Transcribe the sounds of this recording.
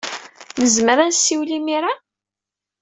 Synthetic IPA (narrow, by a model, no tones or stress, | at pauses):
nəzməɾænsːiwlimiɾa